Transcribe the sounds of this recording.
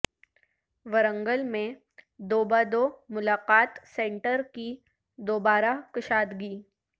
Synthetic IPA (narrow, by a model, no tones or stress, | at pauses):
ʋəɾə̃ŋɡəlmẽ | d̪oːbaːd̪oːmʊlaːqaːt̪sẽːɳʈəɾki | d̪oːbaːɾakɪʃaːd̪ɡiː